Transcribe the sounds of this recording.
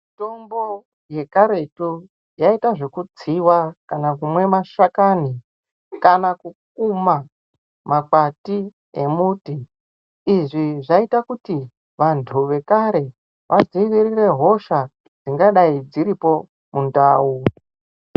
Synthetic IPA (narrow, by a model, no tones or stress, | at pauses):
mito̞mbo̞ | je̞kaɾe̞tu | jaitaʐe̞kud͡ziwakanakumwe̞maʃakani | kanakuk̚uma | mak͡pati | emutiː | ʐiʐaitakuti | ʋantʰuʋe̞kaɾe̞ | ʋʔaziʋirire̞ɦo̞ʃa | d͡ziŋɡaɗaid͡ziɾipo̞ | mundaːu